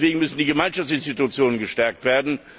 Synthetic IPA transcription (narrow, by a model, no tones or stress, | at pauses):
v̥eːɡŋ̩mʏsn̩diːɡəmaɪnʃaft͡ssɪnstitut͡sjoːnənɡəʃtɛɐk̚tv̥eːɐdn̩